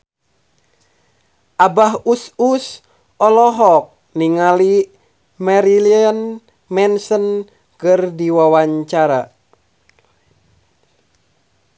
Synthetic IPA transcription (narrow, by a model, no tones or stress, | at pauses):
ʔabaɦusus | ɔlɔɦɔk̚ | niŋali | mɛɾiliən | mɛnsən | kɨrdiwawaɲt͡ʃaɾa